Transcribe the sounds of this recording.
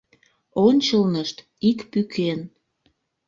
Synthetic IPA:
onʲt͡ɕəlnəʃt̪ | ikpykʰen

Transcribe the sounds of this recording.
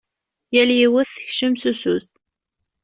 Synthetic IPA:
jæljiwəθθə̥çʃəmsusus

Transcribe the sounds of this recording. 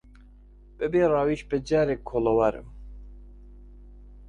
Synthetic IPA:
b̥ɨbeːrɑːwiʃbɨd͡ʒæɾekʰolowaɾɨ̰m

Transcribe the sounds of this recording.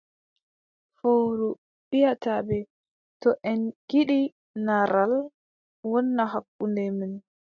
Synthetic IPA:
foɾu | ɓijatabɛ | tɔʔɛnɡ̥iɗi | naɾal | wɔnːaɦakːundɛmin

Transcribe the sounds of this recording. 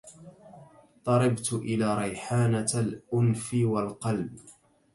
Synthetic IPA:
t̪ˤɑɾˤɑbt̪ʔɪlaːɾˤɑjħaːnalʔʊnfɪwalqɑlb

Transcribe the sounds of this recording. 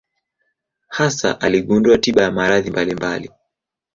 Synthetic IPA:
hasa̰ʔaliɠunduatiɓajamaɾaðimbalimbali

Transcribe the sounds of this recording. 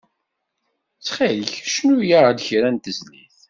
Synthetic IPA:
t͡sːχiləçʃnujad̪çɾænt̪əzlḭθ

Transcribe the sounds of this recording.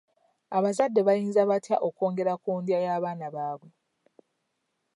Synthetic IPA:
aβazadːe̞βajiːnzaβatjaʔoko̞ːŋɡe̞ɾakuːndjajaːβaːnaβaːβwe̞

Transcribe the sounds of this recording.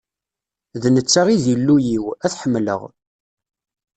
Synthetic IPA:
ðnət͡sːaʁizjəlːujiwæθħəmːlə̰ʁ

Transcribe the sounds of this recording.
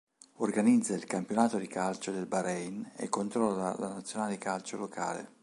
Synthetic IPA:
orɡanid̪zːailkampjonaːt̪od̪ikalt͡ʃod̪elbaɾɛjnḛkːont̪ɾɔllːalanat̪sːjonaːled̪ikalt͡ʃolokʰa̰ːlḛ

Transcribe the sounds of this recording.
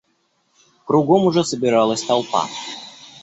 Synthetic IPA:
kɾʊɡomʊʐɛsəbʲɪɾalˠəsʲt̪alˠpa̰

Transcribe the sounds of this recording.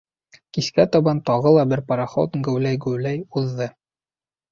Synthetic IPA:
kiskæt̪ɒbɑnt̪ɑʁɤlˠɑbɘɾpɑɾaχo̰t̪ŋɡɵ̆wlæjɡʉwlæjuðːɤ

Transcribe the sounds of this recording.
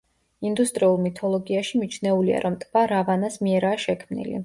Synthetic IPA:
ind̪ust̪ʼɾiulˠmit̪ʰɔlˠɔɡiaʃimit͡ʃʰnɛulia̰ɾɔmt̪ʼvaɾavanasmiɛɾaːʃɛkʰmnḭlḭ

